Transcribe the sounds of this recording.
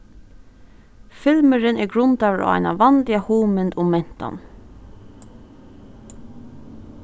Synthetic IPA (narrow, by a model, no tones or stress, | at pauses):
fɪlməɹɪnɛɡɹʊnt̪ɑːʋəɹʔa̰ʋa̰jna̰ʋɑnlɪahuːmɪnt̪ʊmɛn̥t̪a̰n